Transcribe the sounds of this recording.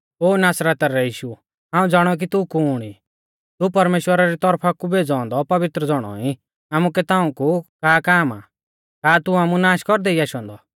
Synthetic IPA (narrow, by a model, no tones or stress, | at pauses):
oːnaːsɾət̪aɾɛjiːʃu | ɦãːũd͡zaːɽ̃ɔk̬it̪ukuɽ̃i | t̪upɐɾmeːʃwəɾaɾit̪ɔɾpʰakubeːd͡zɔ̃ːnd̪ɔpɐʋɪt̪ɾəd͡zɔɽ̃ɔ̰i | aːmukɛt̪ãːũkukaːkaːma̰ | kaːt̪uaːmunaːʃkɔɾd̪ɛiaːʃɔ̃ːnd̪ɔ